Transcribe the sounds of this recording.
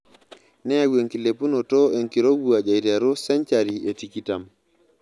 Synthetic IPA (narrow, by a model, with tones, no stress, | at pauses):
nɛ˦a˨ɡe˨ŋki˨le˨pu˦no˨tɔ˦e˨ŋki˨ɾo˦ɡu˨a˨d͡ʒa˨i˨ɾa˨ɾo˦sɛ˦nt͡ʃa˨ɾi˨e˨ti˨ki˦ta˨m